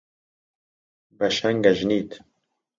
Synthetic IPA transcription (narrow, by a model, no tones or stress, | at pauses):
bɐʃɛŋɡɐʒniːt̪